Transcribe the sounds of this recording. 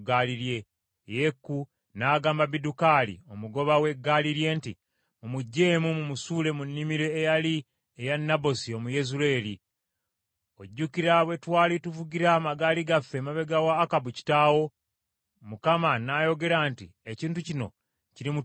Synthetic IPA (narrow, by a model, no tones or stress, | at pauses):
ɡaːliɾje̞ | jekːu | naːɡaːmbaβidukaːlḭo̞muɡo̞βawe̞ɡaliɾje̞ːnti | mumuɟːe̞ːmumumusuːle̞munːimiɾe̞ːjali | ejanːabo̞sio̞muje̞zuɾe̞ːli | oɟːukiɾaβwe̞twaːlituvuɡiɾamaɡaːliɡafːemaβe̞ɡawaːkabuci̥taːwo̞ | mukamanajo̞ɡe̞ɾaːntieciːntucino̞̰ | ciɾimu